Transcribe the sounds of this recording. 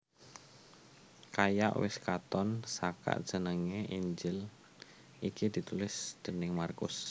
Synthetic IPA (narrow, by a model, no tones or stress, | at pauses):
kaja̰ʔwɪ̰skat̪ɔnsaka̰ʔd̥ʒ̥ə̤nəŋeʔiɲd͡ʒɪl | ʔikid̪̥i̤t̪ulɪsd̪̥ə̤nɪŋmarkʊ̰s